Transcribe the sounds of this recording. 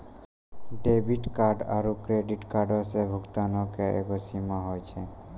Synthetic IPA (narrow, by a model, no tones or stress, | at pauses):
ɖebiʈkaɾɖa̰ɾukɾeɖiʈkaɾɖɔsebʱukt̪anɔkeḛkɔsimaɦɔjt͡ʃʰe